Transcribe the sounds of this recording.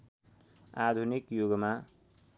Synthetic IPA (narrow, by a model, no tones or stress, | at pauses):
ad̪ʱunikjoɡma